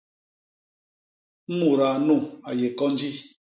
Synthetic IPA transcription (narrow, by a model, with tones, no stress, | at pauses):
mu˨ɾa˨nu˦˨a˨je˨kɔ˦n˦d͡ʒi˦